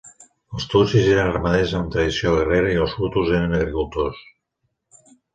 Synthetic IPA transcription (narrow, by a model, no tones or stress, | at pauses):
əlˠst̪usizeɾənəɾmaðezəmt̪ɾəðisioɣereɾəiəlˠsfɾut̪uzeɾənəɣɾikulˠt̪os